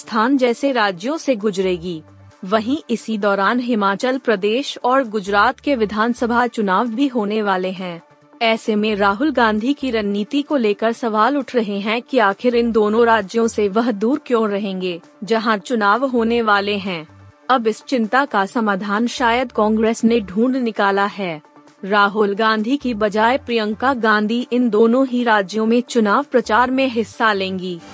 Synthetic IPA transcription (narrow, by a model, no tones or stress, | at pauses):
st̪ʰaːnd͡ʒɛːseɾaːd͡ʒjõseɡʊd͡ʒɾeːɡiː | ʋɐɦĩʔɪsid̪ɔːɾaːnɦɪmaːt͡ʃəlpɾɐd̪eːʃɔːɾɡʊd͡ʒɾaːt̪keʋɪd̪ʱaːnsəbʱat͡ʃʊnaːʋbʱiɦoːneʋaːleɦɛ̃ː | ɛːsemẽɾaːɦʊlɡãːnd̪ʱikiɾɐnːiːt̪ikoleːkəɾsɐʋaːlʊʈʰɾɐɦeɦɛ̃kiaːxɪɾɪnd̪oːnõɾaːd͡ʒjõseʋɐɦd̪uːɾkjõːɾɐɦẽːŋɡeː | d͡ʒɐɦãt͡ʃʊnaːʋɦoːneʋaːleɦɛ̃ː | ɐbɪst͡ʃɪ̃nt̪akasɐmaːd̪ʱaːnʃaːjəd̪kɔ̃ːŋɡɾeːsneɖʱũːɳɖnɪkaːlaɦɛː | ɾaːɦʊlɡãːnd̪ʱikibɐd͡ʒaːepɾijə̃ŋkaɡãːnd̪ʱiʔɪnd̪oːnõɦiɾaːd͡ʒjõmẽt͡ʃʊnaːʋpɾɐt͡ʃaːɾmẽɦɪsːalẽːŋɡiː